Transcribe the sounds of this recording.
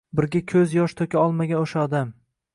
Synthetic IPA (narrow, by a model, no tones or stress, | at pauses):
bɪɾɡʲakʲʰɵzjɒʃt̪ʰokʲaɒlˠmaɡʲanoʃaɒd̪am